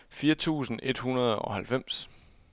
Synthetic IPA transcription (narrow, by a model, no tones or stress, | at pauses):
fiːɐt͡sʰṵːsn̩e̝d̥hunɐð̞ˠɒ̽hælfem̰s